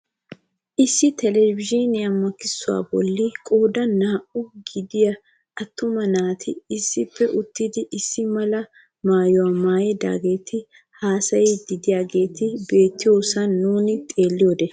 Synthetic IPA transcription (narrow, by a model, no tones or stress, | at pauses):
ʔɪsːɪt̪ʰɛlɛbɪʒinɪɐmːɐkːɪsːʊwa̰ːbɔ̰lːɪkʼoːd̪ɐnaːʔʊɡɪd̪ɪjɐ | ɐt̪ːʊmɐnaːt̪ʰɪːsːɪpːɛʔʊt̪ːɪd̪ɪʔɪsːɪmɐlɐ | maːjʊwamaːjɛd̪a̰ːɡe̞ːt̪ʰɪ | haːsɐjɛd̪ɪd̪ɪjaːɡe̞ːt̪ɪbe̞ːt̪ːɪjoːsɐnːuːnɪt̪ʼe̞ːlːɪjoːd̪ɛ